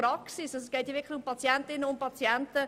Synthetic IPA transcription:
ɾɑksisɑsɛsɡ̥ɛːtjʋɪɐkχlɪçʊmpʰɑt͡sjɛntɪnːəʊmpɑt͡sjɛntə

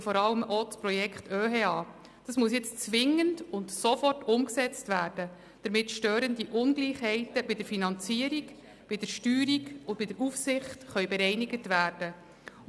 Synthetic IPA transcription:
fɔɾɑləmʔospɾɔjɛkχtʰøːɦeːɑː | d̥ɑsmuəsjɛt͡st͡sʋɪŋəndʊntsɔfɔrtʊmksɛt͡stʋæːrd̥ə | d̥əɾmɪtʃtøːɾəndiʔʊnɡliːχhɛɪtəbɪd̥əɾfinɑnt͡siəɾik | b̥ɪd̥əɾʃtyːɾiɡʊndb̥ɪdəɾufsɪχtχœʏbɛɾɛɪniɡətʋæːrd̥ə

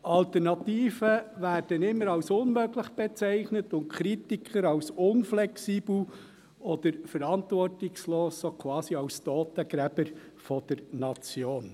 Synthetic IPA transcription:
ɑltəɾnɑt̪iːfəʋæːɾd̥ənɪmːəɾɑwsʊnmøɡlɪχb̥ɛt͡sæɪχnətʊnt̚kʰɾitikʰχəɾɑwsʊnflɛksiːbl̩ | ɔd̪̥əɾfəɾɑntvɔrtɪksloːsːokʰʋɑːsiɑwst̪ɔːt̪əɡ̥ɾæb̥ə | fɔd̥̪əɾnɑt͡sjoːn

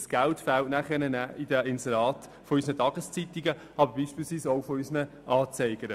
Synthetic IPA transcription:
sɡ̥altfæltnæχɛnənæɪdəɪnsɛɾɑːt | fɔysənətʰɑːɡ̥əst͡sit̪iɡə | ɑbəɾbiːʃpiːlsviːsoʊfɔysənə | ʔɑːt͡sɛɪɡəɾə

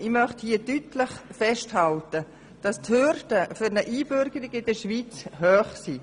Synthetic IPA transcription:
imœχthiədytləχfɛʃthɑltə | d̥ɑsthørd̥əfʏɾnəʔiːbʏɾɡəɾɪɡɪdəʃviːt͡shœːχsiː

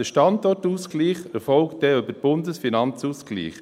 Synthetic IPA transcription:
dəʃtɑndɔɾtuːskliːχəfɔlkt̚dɛøbəɾb̥ʊndəsfinɑnt͡suːsklḭːχ

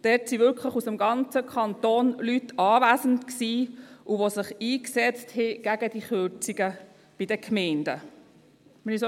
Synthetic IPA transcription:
d̥ɛtsivʏɾkʰləχusəmɡɑnt͡səkʰɑnt̪oːnlytɑːvæːsən̩tksiːʔuʋosɪχiːksɛt͡sthɛɡ̥æɡədiχøɾt͡siɡə | b̥idəkʰmɛɪndə | mɛniso

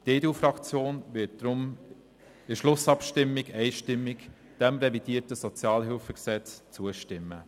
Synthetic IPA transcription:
d̥eːduːfɾɑkt͡sjoːnvɪt̚d̥ɾʊm | ɪʃlʊsɑpʃtɪmːɪɡɛɪʃtɪmːɪk | d̥ɛmɾɛvid̥iːətəsɔt͡sjɑːlɦɪlfəɡsɛt͡st͡suːəʃtɪmːə

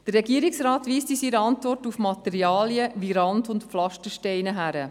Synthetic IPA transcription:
d̥əɾrːɛɡiəɾiksraːtʋiːstisiɾəɑntʋɔrtufmɑtɛɾiɑːliəʋiɾɑndʊntpflɑʃtəʃtɛɪnəɦæɾə

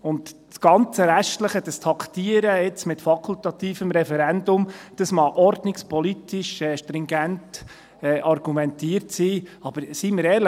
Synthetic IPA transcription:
ʊnd̪ | sɡ̥ɑnt͡səɾæʃtləχəd̥əstʰɑkt̪iəɾəɪt͡smɪtfɑkʰult̪ɑt̪iːfəmɾɛfɛɾɛndʊmd̥əsmɑʔɔɾdnɪkspʰɔlitɪʃɛːʃtɾɪŋɡænt | ɛːʔɑɾɡ̥umɛnt̪iːəɾtsiːɑb̥əɾsiməɾɛːɾlə

